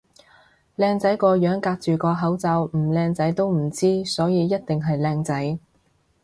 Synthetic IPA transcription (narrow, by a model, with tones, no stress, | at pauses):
lɛː˧ŋt͡sɐ˨˥jkɔː˧jœː˨˥ŋkaː˧k̚t͡ʃyː˨kɔː˧ɦɐ˨˥wt͡sɐ˧wm̩˨˩lɛː˧ŋt͡sɐ˨˥jt̪o˥wm̩˨˩t͡siː˥sɔː˨˥jiː˨˧jɐ˥t̚t̪ɪ˨ŋɦɐ˨jlɛː˧ŋt͡sɐ˨˥j